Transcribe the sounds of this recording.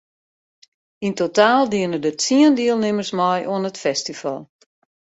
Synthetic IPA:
intotaːlˠdiənədətiəndiəlˠnɪmərsmɔjʔuənətfɛstifɔ̰lˠ

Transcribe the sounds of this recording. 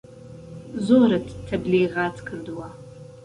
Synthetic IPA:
zoɾɐtʰtʰɐblejʁaːt͡sʰʼkʰɨrdwa

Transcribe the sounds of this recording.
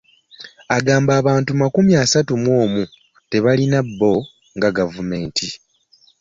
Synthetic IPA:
aɡaːmbaːβaːntumakumjaːsatumwo̞ːmu | te̞βalinabːo̞ | ŋɡaɡavume̞ːntʰi

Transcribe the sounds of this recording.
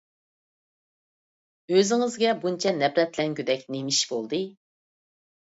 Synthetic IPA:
øzɪŋɪzɡʲɛbunt͡ʃʰɛnɛbɾɛt̪lɛnkʲyd̪ɛkʲnemiʃbolˠd̪ɨ

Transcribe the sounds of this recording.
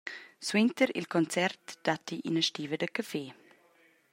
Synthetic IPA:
swɪntəɾɪ̰lkʰɔnt͡sɛrtd̥atiʔḭnəʃtiːvədəkʰafeː

